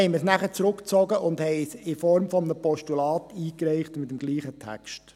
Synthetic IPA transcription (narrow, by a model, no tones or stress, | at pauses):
hɛɪməsnæχət͡sɾʊkt͡sɔɡəʔʊnd̪hɛɪsɪfɔɾmfɔmənəpɔʃtulɑːt̪iːkɾɛɪχtmɪtəmɡliːχətʰæ̰kʃt